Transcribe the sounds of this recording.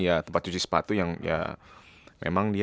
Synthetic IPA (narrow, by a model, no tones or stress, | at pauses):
jat̪əmpat̪̚t͡ʃut͡ʃisə̥pat̪ujaŋja̰ | mʔḛmaŋdi